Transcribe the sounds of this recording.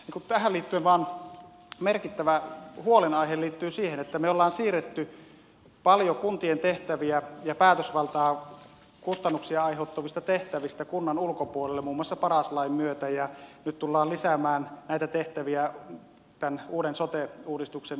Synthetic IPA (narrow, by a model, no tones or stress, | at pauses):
niːŋkut̪æhæliːt̪ːyenʋɑːn | merkit̪ːæʋæhuolenɑiheliːt̪ːyːsiːhenet̪ːæmeolːɑːnsiːret̪ːy | pɑljokunt̪ient̪eht̪æʋiæjɑpæːt̪øsʋɑlt̪ɑː | kust̪ɑnːuksiɑɑˑiheut̪ːoʋist̪ɑt̪eht̪æʋist̪ækunːɑnulkopuolelːemuːmːŭɑsːɑpɑrɑslɑimmyøt̪æjɑnyt̪t̪ulːɑːlisæmæːnnæˑit̪æt̪eht̪æʋiæ | t̪ænuːdensot̪euːdist̪uksen